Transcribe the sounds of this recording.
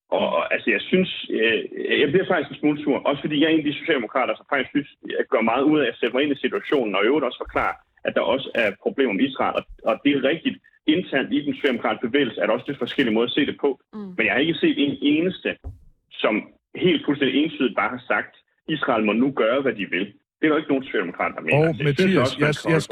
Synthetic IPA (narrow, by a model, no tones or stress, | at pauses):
ʔɒ̽ʔælsəjɑ̈ɪsyns | jɑ̈ɪbliɐfɑ̈ɡ̥isɡ̥ensmoːlət͡sʰuɐ̰ʔɒ̽sə̥fɒ̽d̥ḭːjɑ̈e̝nd̥iso̝ɕɛ̰ldemo̝kʰʁɑ̰̈ːɾ̥ɐsɒ̽mfɡ̥isɡ̥synsɡ̥ɶɐ̰mɑ̈ːð̞̩ˠuð̞̰ˠɛjaseb̥ɐe̝nisit͡sʰuæɕo̝̰ːn̩ɒ̽øʊɾɒ̽sə̥fɒ̽kʰlɑ̰̈ːɐ | ʔæd̥ɑ̈ʔɒ̽səæɐpʰʁo̝b̥le̝̰ːmɒmeisʁɑ̰̈lʔɒ̽ɒ̽d̥e̝æʁɛɡ̥̚d̥id̥ | e̝nt͡sʰæɐ̰nd̥id̥en̩so̥ɕɛ̰ːdemokʰʁɑ̈ːd̥̚b̥eʋḛːɪl̩səæɐɾ̥ɑɒsd̥e̥fɒ̽sɡ̥el̰imɔ̽ð̞ˠɐse̝̰ːd̥epʰɒ̽menjɑ̈hɑ̈e̝ɡ̥əse̝̰ːd̥ene̝ːnəsd̥ə | sɒ̽m | he̝̰ːld̥̚pʰusend̥ie̝ːnsʰyð̩ˠb̥ɑ̈ːhɑ̈sɑ̈ɡ̥̚d̥ | isʁɑ̰̈ːlmɒ̽nuɡ̥ɶːɐʋæd̥iʋe̝l | d̥e̝æɾ̥ɒe̝ɡ̥əno̝ːn̩so̝̥ɕɛ̰ld̥emokʰʁɑ̰ːd̥ɐd̥ɑ̈mḛːnɐssynsɒ̽səækʰ